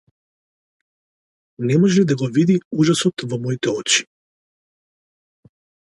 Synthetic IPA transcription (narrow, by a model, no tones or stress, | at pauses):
nɛmɔʒɛd̪aɡɔvid̪iuʒasɔt̪vɔmɔit̪ɛɔt͡ʃi̥